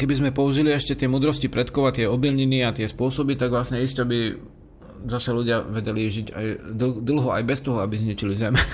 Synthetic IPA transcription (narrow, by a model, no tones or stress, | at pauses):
kɛbizmɛpɔuʒiliɛʃcɛt̪ɪɛmuːd̪ɾɔscipɾɛt̪kɔʊat̪ɪɛɔbilɲiniːat̪ɪɛspʊɔsɔbit̪aɡʋlasɲɛiscabi | zasɛluɟɪaʋɛɟɛliʒiɟa̰j̪d̪l̩ɦɔa̰jbɛst̪ɔɦɔabizɲit͡ʃilizɛm